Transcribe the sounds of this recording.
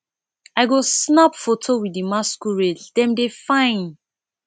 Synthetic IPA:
aɪɡosnapfotʰowidimaskuɹeldɛ̃mdefãɪ̃n

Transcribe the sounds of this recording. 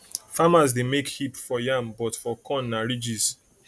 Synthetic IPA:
famazdemekhipfɔjambɔtfɔkʰɔ̃nːaɹid͡ʒis

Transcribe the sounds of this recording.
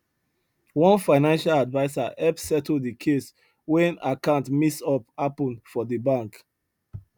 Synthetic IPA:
wɔ̃nfaɪnãnʃaladvaɪsaɛpssɛtl̩dikʰes | wɛ̃nakãntmisɔpapɔ̃nfɔðəbãŋk

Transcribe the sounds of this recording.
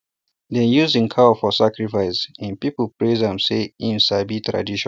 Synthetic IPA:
dɛ̃njuzĩŋkʰafɔsakɹifaɪsɛ̃npipəlpɹezãmseĩmsabitɹa̰diʃɔ̃

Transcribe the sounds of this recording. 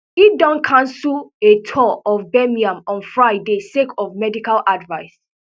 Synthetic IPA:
idɔ̃nkʰãnsuletʰɔɔfbɛmiãmɔ̃nfɹaɪdesekɔfmɛdikalʔadvaɪs

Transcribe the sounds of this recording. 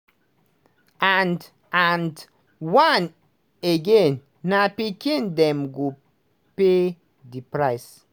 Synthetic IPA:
and | and | wan | eɡẽnː | apikĩndɛ̃mɡu | pe | dipɹaɪs

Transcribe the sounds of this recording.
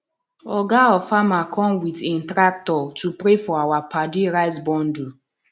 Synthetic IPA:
ɔɡaɔfamakʰɔ̃mwitĩntɾak̚tɔtupɾefɔawapadiɾaɪsbɔ̃ndu

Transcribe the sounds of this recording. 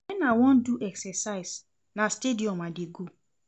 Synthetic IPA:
ɛnawɔ̃nduʔɛksɛsaɪs | nastediɔmadeɡo

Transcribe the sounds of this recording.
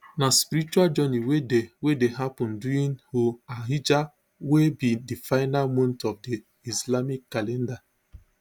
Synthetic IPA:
naspiɾit͡ʃuald͡ʒɔniwedewedeɦapʊ̃nduɾinhoaɦid͡ʒa | webidifaɪnalmõntɔfdi | islamikːalɛnda

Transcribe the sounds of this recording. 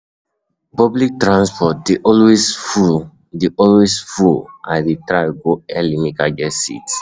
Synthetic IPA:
pɔblik̚tɹãnspɔt̚deʔɔlwesfu | deʔɔlwesfulãdetɹaɡoɛlimikaɡɛsḭti̥

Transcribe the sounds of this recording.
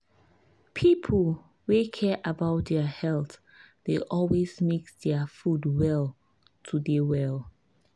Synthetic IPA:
pʰipʰəl | wekʰɛʔabaʊt̚dɛəhɛlt | d̥eʔɔlwezmekd̥ɛəfudwɛl | tʰudewɛlˠ

